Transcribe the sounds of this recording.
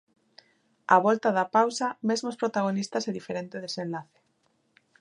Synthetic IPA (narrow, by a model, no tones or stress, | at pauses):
aβɔlt̪aðapawsɐmezmospɾot̪aɣ̞onist̪ɐseðifeɾent̪eðesenlaθe̥